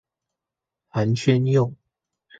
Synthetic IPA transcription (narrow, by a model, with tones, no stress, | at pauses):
ha˨˦nt͡ɕʰɥɛ˦njo˥˨ŋ